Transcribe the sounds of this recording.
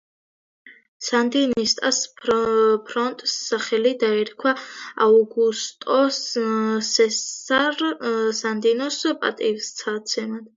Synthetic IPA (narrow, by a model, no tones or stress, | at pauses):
sand̪inist̪ʼas | pʰɾɔnt̪ʼsːaχɛlid̪aɛɾkʰwaauɡust̪ʼɔssɛa | sand̪inɔspʼa̰t̪ʼivst̪sʰat̪sʰɛmad̪̥